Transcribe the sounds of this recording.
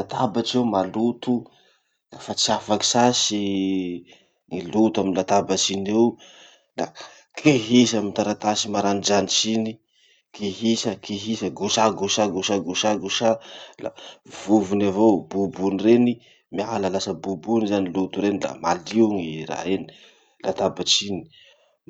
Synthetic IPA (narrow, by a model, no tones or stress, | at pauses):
lat̪abat͡ʃewmalut̪u | lafat͡siafaki̥sasi | ŋilut̪uaminlat̪abat͡ʃinew | la | kʰeɦisamint̪aɾat̪asimaɾanid͡ʒanit͡ʃini | keɦisəkʰeɦisəɡuʃaɡuʃaɡuʃaɡuʃaɡuʃala̰v̥uvunavobubunireni | mialalasəbubunzanilut̪uɾenila̰maliwŋira̰ɦeni̥ | la̰t̪abat͡sini̥